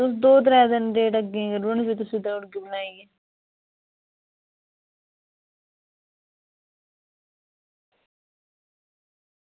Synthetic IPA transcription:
t̪ʊsd̪oːd̪ɾɛːd̪ənɖeːʈəɡẽːɡəɾʊɳbiːt̪̬ʊsĩːd̪ə̃ːʊɽɡiːbənaːiɛː

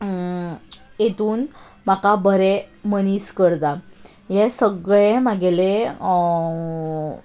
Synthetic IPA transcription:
jet̪uːn | makabəɾeməniːskəɽt̪ajɛsəɡɭẽmaɡele

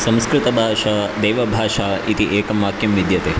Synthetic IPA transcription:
sɐ̃mskɾɪt̪ɐbʱaːʂaːd̪eːʋɐbʱaːʂaːit̪iʔeːkɐmːaːkʰjɐmʋid̪jɐt̪eː

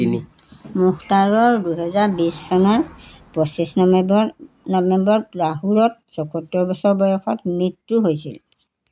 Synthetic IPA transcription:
i | muhtaɹɔɹdujɦɛzaɹbisːɔnɔɹpɔsisn | nɔbɛmbɔtɹaɦuɹɔt̚sɔkɔtːɔɹbɔsɔɹbɔjɔkʰɔ̰tmitɹuɦojsḭl

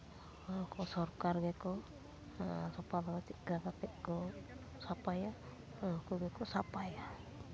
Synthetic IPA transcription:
kɔsɔɾkaɾɡɛkɔ | sɔpalaɡat͡ʃit̚ɡɾaɡat̪ɛʔ̚kɔ | sapaja | kuɡɛkɔsapaja

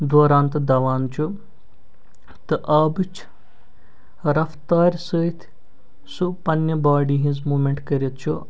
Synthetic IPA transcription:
d̪oːɾaːnt̪ɨd̪ɐʋaːnt͡ʃʰu | t̪ɨʔɐbɨt͡ʃʰ | ɾɐft̪aːɾʲsəːt̪ʰ | supɐnjɐbaːɖiɦĩnzmuːmʲeɳʈkɐɾʲit̪t͡ʃʰu

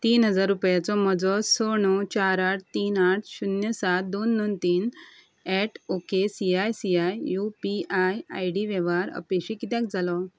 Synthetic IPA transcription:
t̪iːnɦəd͡zaɾːupjat͡sɔməd͡zɔsɔɳ̃ɔt͡ɕaɾaʈ̚ʰt̪iːnaʈʰɕunjəsat̪̚d̪onːɔnt̪iːn | ɛʈʰokesiajsiajjupiajajɽiʋeʋaɾə̰peɕikit̪jãk̚d͡zalɔ

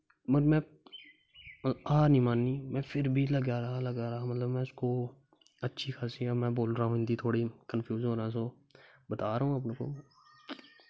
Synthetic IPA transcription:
məɾmɛ̃ː | aːnĩːmaːnːiːmɛ̃ːpʰɪɾbʱiːləɡaːɾaləɡaːɾaamət̪ləbmɛ̃ːʊskoː | ətːʃʰiːkʰaːsiːəmɛ̃ːboːlɾaːũɪ̃nd̪iːt̪ʰoːɽiːkənpʰjuːzɦoːɾãːs̬oː | bət̪aːɾəːũəpnẽːko̰ː

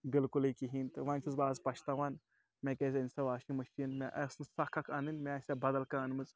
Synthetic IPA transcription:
bɪlkuliːkiɦiːnt̪ɨʋɐ̃ːnʲt͡ʃʰuzbaːzpɐʃt̪aːʋaːn | mẽːkeːzʲɐnʲsɐʋaːʃĩmɐʃinmẽʔɐsnsɐkʰːɐkʰɐnɨnmẽsʲebɐd̪ɐlkaːnmɨt͡s

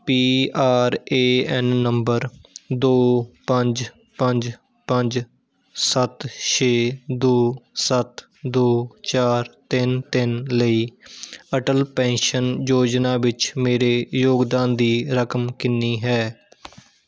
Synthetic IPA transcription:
piːaːɾeːɛnːəmbəɾd̪oːpəɲd͡ʒ | pəɲd͡ʒ | pəɲd͡ʒ | sət̪ʃʰeːd̪oːsət̪ | d̪oːt͡ʃaːɾt̪ɪnt̪ɪnləiːəʈəlpɛ̃ːnʃənjoːd͡ʒnaːʋɪt͡ʃmeːɾeːjoːɡd̪aːnd̪iːɾəkəmkɪnːiːɦɛː

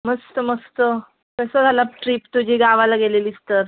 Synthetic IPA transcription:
məst̪əməst̪ə | kəsəd͡z̪ʱalap̚ʈɾiːpt̪ud͡ʑʱiɡaʋalaɡeleliːst̪əɾ

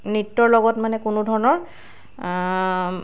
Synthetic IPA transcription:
nitːɔɹlɔɡɔtmanɛkunʊdʱɔɹɔnɔɹ

